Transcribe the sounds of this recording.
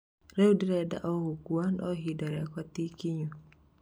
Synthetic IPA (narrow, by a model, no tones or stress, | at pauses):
ɾɛudiɾɛda̰ʔɔhokuanɔɦidaɾɛkatikiɲu